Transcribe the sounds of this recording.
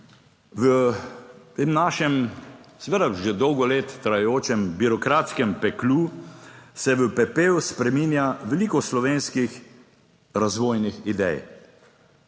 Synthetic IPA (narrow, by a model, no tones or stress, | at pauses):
ʋə | t̪eːmnaːʃɛmsɛʋed̪aʒed̪ɔwɡɔleːt̪ːɾajɛjoːt͡ʃɛmbiɾɔkɾaːt̪skɛmpɛklu | sɛʋəpɛpeːuspɾɛmiːnjaʋɛliːkɔslɔʋeːnskix | ɾazʋoːjnixid̪ɛ̰j